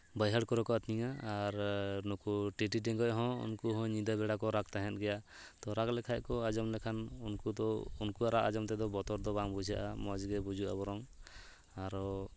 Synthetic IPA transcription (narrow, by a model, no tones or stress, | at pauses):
bajɦaɽkɔɾɔkɔat̪niŋaːɾnɔkuʈiʈiʈ̬ɛŋɡɔjɦɔ̃ṵnkuɦɔ̃ɲid̪abɛɽakɔɾak̚t̪aɦɛ̃t̪̚ˀɡɛja | t̪ɔɾaklɛkʰajkɔad͡ʒɔmlɛkʰanunkud̪ɔunkuaɾaʔad͡ʒɔmt̪ɛd̪ɔbɔt̪ɔɾd̪ɔbaŋbud͡ʒʱaʔamɔd͡ʒɡɛbud͡ʒuʔa̰bɔɾɔŋ | aɾɔ